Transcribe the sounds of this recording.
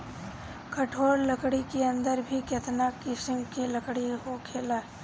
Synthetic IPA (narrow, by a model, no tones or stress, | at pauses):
kɐʈʰoːɾləkɽikeə̃nd̪əɾbʱikɐt̪nakɪsɪmkilɐkɽiɦokʰeːlaː